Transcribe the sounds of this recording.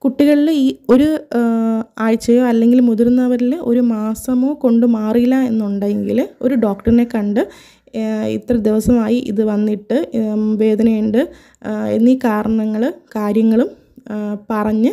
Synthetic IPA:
kuʈːiɣɐɭiliːo̞ɾu | aːɻt͡ɕːɐjoːɐlːe̞ŋɡilmuðuɾnːɐʋɐɾilo̞ɾumaːsɐmo̞ːko̞ɳɖɨmaːrilːɐe̞nːuɳɖajeŋɡḭlo̞̰ɾuɖo̞ːkʈɐrine̞kɐɳɖɨ | ḭt̪ːrɐd̪iʋɐsɐmaːjiʔḭðɨʋɐnːiʈːɨʋe̞ːd̪ɐnɐjuɳɖɨ | ḛnːiːkaːɾɐɳɐŋːɐɭɨkaːɾjɐŋːɐɭum | pɐrɐɲːɨ

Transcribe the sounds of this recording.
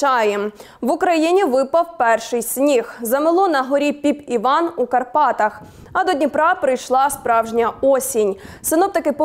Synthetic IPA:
ɑjɛm | ʋʊkɾɐjinʲiʋɪpɐwpɛrʃɪjsʲnʲixzɐmɪlˠɔnɐɦɔɾʲipʲipiʋɑnukɐrpɑt̪ɐx | ɐd̪ɔdʲnʲipɾɑpɾɪjʃlˠɑspɾɑwʒnʲɐɔsʲinʲ | sɪnɔwt̪ɐkɪpɔ

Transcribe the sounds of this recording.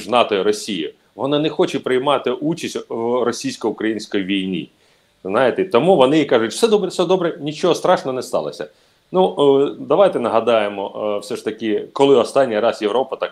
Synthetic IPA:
ʒnɑt̪ɔjɾɔsʲijɪ | ʋɔnɑnɛxɔt͡ʃɪpɾɪjmɑt̪ɪʔut͡ʃisʲtʲwrɔsʲijsʲkɔʊkɾɐjinʲsʲkɔjiʋʲijnʲḭ | znɑjɪt̪ɪt̪ɔmuʋɔnɪikɑʐʊtʲw̥sɛd̪ɔbɾɛsɛd̪ɔbɾɛnʲit͡ʃɔɦɔst̪ɾɑʃnɔnɛst̪ɑ̰lˠɐ̰sʲɐ̰ | nud̪ɐʋajt̪ɛnɐɦɐd̪ɑjemɔwsʲɛʂt̪ɐkɪkɔlˠɪɔst̪ɑnʲːijɾɑsjeʋɾɔpɐt̪ɑk

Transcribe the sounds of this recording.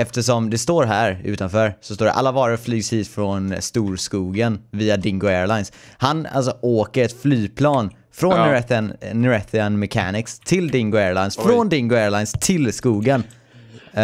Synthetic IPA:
ɛft̪əʂɔmd̪ɛst̪oːɾɦæːɾʉ̟ːt̪anfœːɾsɔst̪oːɖɛ̰ʔa̰lːavɑːɾəflyːɡshiːt̪fɾɔnst̪uːɾskuːɡənviːad̪ɪŋɡʊɛːɾlaɪjns | hana̰ls̬ɔʔoːkəɾɛt̪flyːpʰlɑːn | fɾɔnːɪɛθnnːɪɾɛθɪanmɛkʰa̰nɪkst̪ʰɪld̪ɪŋɡʊɛːɾlaɪnsfɾɔnd̪ɪŋɡʊɛːɾlaɪnst̪ʰɪlskuːɡən

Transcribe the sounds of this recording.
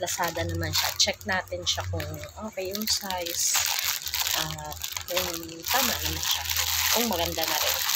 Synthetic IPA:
lɐsaːd̪ɐnɐmanʃa̰t͡ʃɛk̚naːt̪ɪnʃakʊŋʔoːkejʊŋsajs | ʔɐat̪̚kʊŋ | t̪aːmaʔnɐmanʃakʊŋmɐɡɐnd̪anɐɾɛn

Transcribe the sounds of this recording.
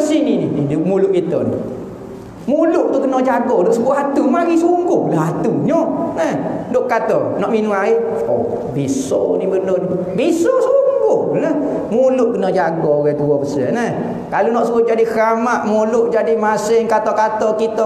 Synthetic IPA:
əsinininiduʔmulʊʔkit̪ɔ̰nḭ | muluʔt̪ukənɔd͡ʒaɡɔdoʔsəbuaɦat̪umaŋisəuŋɡʊhlaɦat̪uɲɔnəhdoʔkat̪ɔnɔʔminuaɪ | o̰ | bisɔ̰nibənon | bisɔsəuŋɡʊhnə | mulʊʔkənɔd͡ʒaɡɔwɛt̪uwɔbəsə̰nəh | kalunɔʔsəʊʔd͡ʒadisɾamaʔmulʊʔd͡ʒadimasɪŋkat̪ɔkat̪ɔkit̪ɔ

